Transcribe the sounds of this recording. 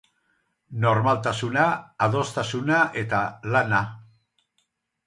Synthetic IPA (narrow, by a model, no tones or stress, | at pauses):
no̞ɾmalt̪asunaːðo̞st̪asunaʔe̞t̪alana